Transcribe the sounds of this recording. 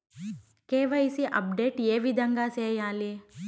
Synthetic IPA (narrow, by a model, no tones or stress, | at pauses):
keːʋɐisiʔɐ̰p̚ɖeːʈjeːʋid̪ʱɐŋɡaseːjãːle